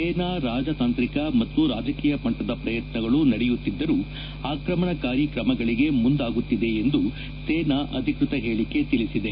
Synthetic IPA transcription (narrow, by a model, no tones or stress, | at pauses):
eːnaːɾaːd͡ʒɐt̪aːnt̪ɾikɐmɐt̪ːuɾaːd͡ʒɐkiːjɐpɐɳʈɐd̪ɐpɾɐjɐt̪nɐɡɐɭunɐɽejut̪ːid̪ːɐɾu | aːkɾɐmɐɳɐkaːɾjikɾɐmɐɡɐɭiɡe̞mund̪aːɡut̪ːid̪e̞ːnd̪u | seːnaʔɐd̪ʱikɾut̪ɐɦeːɭike̞t̪ilisid̪e̞